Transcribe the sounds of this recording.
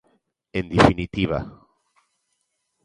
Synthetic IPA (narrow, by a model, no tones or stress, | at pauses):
end̪ifinit̪iβa̰